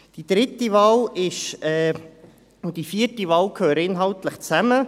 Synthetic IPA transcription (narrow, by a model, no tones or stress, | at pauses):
d̥id̥ɾɪtiʋɑːlɪʃɛː | ʊd̥ifiərtiʋɑːlkʰhøːɾɪnɦɑltləχt͡sæmə